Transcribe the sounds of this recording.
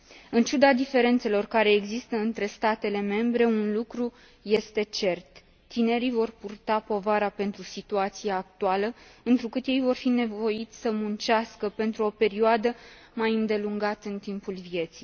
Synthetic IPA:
ɨnt͡ʃud̪ad̪ife̞ɾe̞nt̪se̞lo̞rkaɾe̞ːɡzist̪əɨnt̪ɾe̞st̪at̪e̞le̞me̞mbɾe̞unlukɾu | je̞st̪e̞t͡ʃe̞rt̪ː | ine̞ɾivo̞rpurt̪apo̞vaɾape̞nt̪ɾusit̪uat̪sieːk̚t̪ualəɨnt̪ɾukɨt̪je̞jvo̞rfine̞vo̞jit̪sʲsəmunt͡ʃaskəpe̞nt̪ɾuo̞pe̞ɾioad̪ə | majɨnd̪e̞luŋɡat̪əɨnt̪impulvije̞t̪sij

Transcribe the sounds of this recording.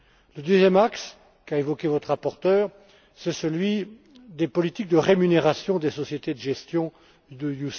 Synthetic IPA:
ləd̪øzjɛmaks | kaevɔkʲevɔt̪χʁapɔʁt̪œːʁ | sɛsəlɥi | d̪epɔlit̪ik̚d̪əʁemyneʁasjɔ̃d̪esɔsjet̪ed̪əʒɛst̪jɔ̃ | d̪əjus

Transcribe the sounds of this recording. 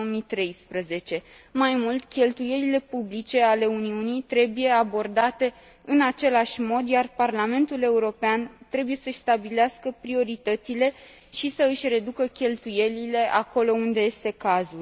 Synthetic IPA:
omit̪ɾe̞jspɾəze̞t͡ʃe̞ | majmult̪ʲkʲe̞lt̪uje̞lile̞publit͡ʃe̞ale̞uniunijt̪ɾe̞buje̞abo̞rd̪at̪e̞ | ɨnat͡ʃe̞laʃʲmo̞d̪jarparlame̞nt̪ule̞uɾo̞peant̪ɾe̞buje̞səʃʲst̪abileaskəpɾio̞ɾit̪ət̪sile̞ | ʃisəɨʃʲre̞d̪ukəkʲe̞lt̪uje̞lile̞ʔako̞lo̞und̪e̞je̞st̪e̞kazul

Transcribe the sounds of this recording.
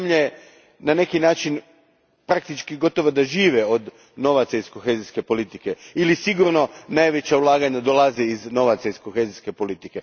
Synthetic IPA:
mʎe | nane̞kinaːt͡ʃin | pɾak̚t̪it͡ʃkiɡo̞t̪o̞ʋod̪aʒiːʋeod̪ | no̞ʋat̪saisko̞xeːziske̞po̞lit̪ike̞ilisiɡuɾno̞najʋe̞t͡ɕaulˠaːɡaɲad̪o̞lˠaziizno̞ʋat̪saisko̞xeziske̞po̞lit̪ike̞

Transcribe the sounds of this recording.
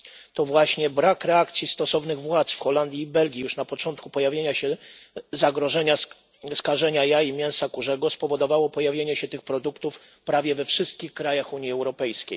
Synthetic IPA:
t̪ɔvwaɕɲɛbɾakɾɛakt̪sʲjist̪ɔsɔvnɘɣvwat̪sfxɔland̪ʲjiːbɛlɡʲijuʂnapɔt͡ʂɔnt̪̚kupɔjavʲjeɲaɕɛzaɡɾɔʐɛɲa | skaʐɛɲajaimʲjɛ̃w̃sakuʐɛɡɔspɔvɔd̪ɔvawɔpɔjavʲjeɲɛɕɛt̪ɘxpɾɔd̪ukt̪uf | pɾavʲjɛvɛfʂɘst̪̚kʲixkɾajaxuɲjiɛwɾɔpɛjskʲej

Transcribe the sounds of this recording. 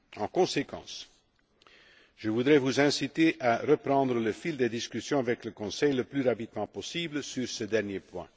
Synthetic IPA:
ɑ̃kɔ̃sekɑ̰̃ːs | ʒ̥əvud̪ʁɛvuzɛ̃sit̪eʔaʁəpʁɑ̃d̪ʁələfild̪ed̪iskʲysjɔ̃avɛkləkɔ̃sɛjləplyʁapid̪mɑ̃pɔsibləsyʁsəd̪ɛʁnjepwɛ̰̃

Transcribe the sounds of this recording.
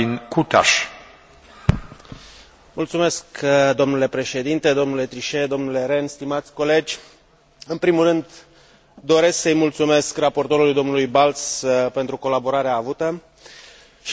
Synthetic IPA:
inkut̪a̰ʃ | mult̪sume̞skd̪o̞mnule̞pɾe̞ʃe̞d̪int̪e̞d̪o̞mnule̞t̪ɾiʃe̞d̪o̞mnule̞ɾe̞nst̪imat̪sʲko̞le̞d͡ʒʲ | ɨnpɾimulrɨnd̪ | d̪o̞ɾe̞sksəjmult̪sume̞skrapo̞rt̪o̞ɾulujd̪o̞mnulujbalspe̞nt̪ɾuko̞labo̞ɾaɾeaːvut̪ə | ʃ

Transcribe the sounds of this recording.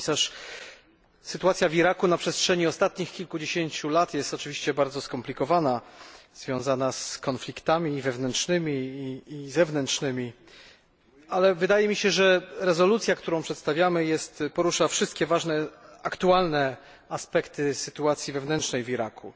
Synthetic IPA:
saʂ | sɘt̪uwat̪sʲjaviɾakunapʂɛstʂɛɲiɔst̪at̪ɲixkʲilkud͡ʑeɕeɲt͡ɕulat̪jɛst̪ɔt͡ʂɘvʲiɕt͡ɕɛbaɾd̪zɔskɔmplʲikɔvanaz̥vʲjɔ̃w̃zanaskɔnflʲikt̪amʲiːvɛvnɛntʂnɘmʲiː | zɛvnɛntʂnɘmʲi | alɛvɘd̪ajɛmʲiɕɛʐɛɾɛzɔlut̪sʲjakt̪uɾɔ̃w̃pʂɛt̪st̪avʲjamɘjɛst̪pɔɾuʂafʂɘst̪kʲɛvaʐnɛakt̪ualnɛ | aspɛkt̪ɘsɘt̪uat̪sʲjivɛvnɛntt͡ʂnɛjviɾakʰu

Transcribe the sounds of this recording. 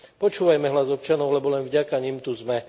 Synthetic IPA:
pɔt͡ʃuːʋajmɛɦlazɔp̚t͡ʃanɔʊlɛbɔlɛnvɟakaɲimt̪uzmɛ

